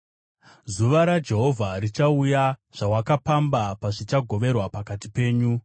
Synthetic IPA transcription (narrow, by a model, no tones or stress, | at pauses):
zuʋaɾad͡ʒe̞ɦo̞vʱarit͡ʃaujaʐ̥awakapambapaʐit͡ʃaɡʱoʋe̞rwapakatipe̞ːɲu